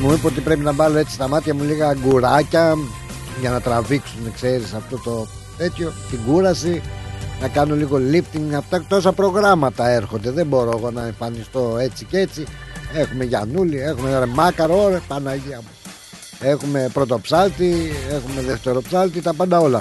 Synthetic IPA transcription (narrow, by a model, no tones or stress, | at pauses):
muipoot̪ipɾe̞pinɐbɐlo̞e̞t͡sist̪ɐmɐt̪çɐmuliɣɐːɡuɾɐcɐ | ʝɐnɐt̪ɾɐviksunekse̞ɾisɐft̪o̞t̪o̞ | t̪e̞t̪ço̞t̪iɡuɾɐsinɐkɐno̞liɣo̞lift̪iŋɡɐpt̪ɐt̪o̞sɐpɾo̞ɣɾɐmɐt̪ɐe̞ɾxo̞nd̪e̞ðebo̞ɾo̞eɣo̞nɐeɱfɐnist̪o̞e̞t͡sice̞t͡sie̞xume̞ʝɐ̰nulie̞xumenɐɾemɐkɐɾoɾepɐnɐʝiɐmu | e̞xume̞pɾo̞t̪o̞psɐlt̪ie̞xume̞ðeft̪e̞ɾo̞psɐlt̪it̪ɐpɐnd̪ɐo̞lɐ